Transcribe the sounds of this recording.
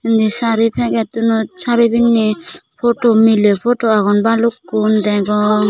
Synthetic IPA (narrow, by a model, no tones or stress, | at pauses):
indisaɾipʰɛɡɛt̪unusaɾibinːipʰɔtɔmilepʰɔtɔaɡɔnbalukːund̪ɛɡɔŋ